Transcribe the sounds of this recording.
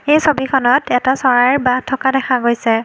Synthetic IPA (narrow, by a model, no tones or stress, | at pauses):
ejsobikʰɔnɔtɛtasɔɹaɹbatʰːɔkadɛkʰaɡojsɛ